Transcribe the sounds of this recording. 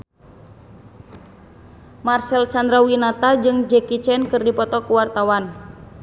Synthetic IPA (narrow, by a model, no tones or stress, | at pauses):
marsɛlt͡ʃand̪ɾawinat̪ad͡ʒɨŋd͡ʒɛkit͡ʃɛnkɨrdipɔt̪ɔkuwart̪awan